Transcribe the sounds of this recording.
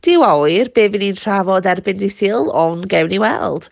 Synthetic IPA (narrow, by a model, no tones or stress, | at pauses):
d̥ɪwɔɨrbeːvɪninʰr̥avɔdɛrbɪndɪθɨlˠɔnɡɛwniwɛ̰lˠd̥